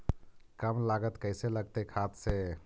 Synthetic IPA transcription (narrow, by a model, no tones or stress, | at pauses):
kəmlaɡət̪kəɪseləɡ̚t̪ekʰat̪se